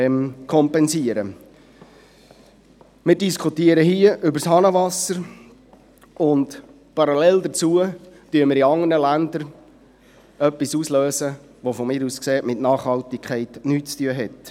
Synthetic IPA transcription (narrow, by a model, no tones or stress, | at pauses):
mkʰɔmpɛnsiəɾə | mɪːɾdiskʰutiəɾəɦiəʔʏbəɾshɑnəʋɑsəɾ | ʊnt | pɑɾɑlɛldət͡suətyəmɪɾiɑŋənəlænd̪əɾ | œpːisuːsløːsə | ʋofɔmɪːɾuːskseːtmɪtnɑːχhɑlt̪ikʰχɛɪtnyːt̚t͡styəɦɛt